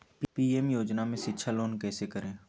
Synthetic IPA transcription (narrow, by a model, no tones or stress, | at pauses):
piːemjoːd͡ʒnamẽʃɪtːʃʰaloːnkɛːsekəɾẽː